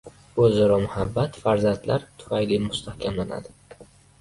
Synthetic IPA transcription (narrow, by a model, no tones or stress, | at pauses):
ɵzɒɾɒmʊhabːat̪faɾzant̪laɾt̪ʰʊ̥fajlimʊst̪ʰahkʲʰamlana̰d̪ɪ